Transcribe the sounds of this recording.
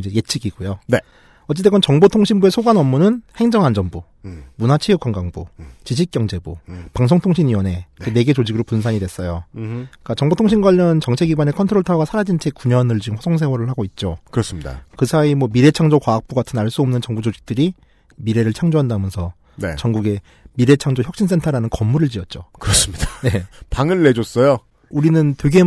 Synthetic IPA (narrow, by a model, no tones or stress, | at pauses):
d͡ʑeje̞t͡ɕʰiɡiɡujo | ʌt͡ɕ͈et̬ʰeɡʌnt͡ɕʌŋbotʰoŋɕʰinbue̞sʰoɡanʌmːunɯnhe̞ŋd͡ʑʌŋɦand͡ʑʌmbu | munat͡ɕʰijuk͈ʰwaŋɡaŋbut͡ɕid͡ʑ̬ʰik̚k͈jʌŋd͡ʑe̞bupaŋs̬ʰoŋtʰoŋɕʰiniwʌnɦe̞kene̞ɡe̞t͡ɕod͡ʑiɡɯɾopuns̬ʰaɲidwe̞s͈ʌjok͈at͡ɕʌŋbotʰoŋɕʰinɡwaɭːɯnt͡ɕʌŋt͡ɕʰe̞ɡiɡwane̞kʰʌntʰɯɾoɭtʰaɡasʰaɾad͡ʑint͡ɕʰe̞kuɲʌnɯɭd͡ʑiɡɯmɸwʌsʰoŋs̬ʰe̞wʌɾɯɭhaɡoit̚t͡ɕ͈okɯɾʌs͈ɯmɲida̰kɯsʰaimwʌmiɾe̞t͡ɕʰaŋd͡ʑokwaːk̚p͈uɡatʰɯnaɭs͈uʌmnɯnt͡ɕʌŋbud͡ʑod͡ʑik̚t͈ɯɾi | miɾe̞ɾɯɭt͡ɕʰaŋd͡ʑoɦandamjʌnsʰʌ | net͡ɕʌŋɡuɡe̞ | miɾe̞t͡ɕʰaŋd͡ʑoçjʌk̚ɕ͈ins̬͈ʰe̞ntʰaɾanɯnkʌmːuɾɯɭt͡ɕiʌt̚t͡ɕ͈okɯɾʌs͈ɯmɲidane̞paŋɯɭːed͡ʑos͈ʌjo | uɾinɯntweɡe̞